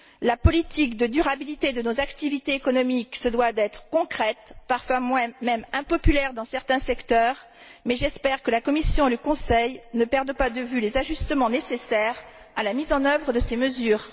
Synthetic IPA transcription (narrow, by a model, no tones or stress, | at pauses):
lapɔlit̪ikd̪əd̪yʁabilit̪ed̪ənozakt̪ivit̪eːkɔnɔmiksəd̪wad̪ɛt̪χəkɔ̃kχɛt̪paʁfwamwɛ̃mɛmɛ̃pɔpylɛʁd̪ɑ̃sɛʁt̪ɛ̃sɛkt̪œʁ | mɛʒɛspɛʁkəlakɔmisjɔ̃eləkɔ̃sɛjnəpɛʁd̪pad̪əvylezaʒyst̪əmɑ̃nesesɛʁ | alamizɑ̃nœvʁəd̪əseməzyːʁ